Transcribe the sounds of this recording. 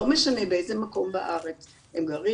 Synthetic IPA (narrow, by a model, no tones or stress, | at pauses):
omeʃanebeejzemako̞mbaʔaʁet͡s | hemɡaʁi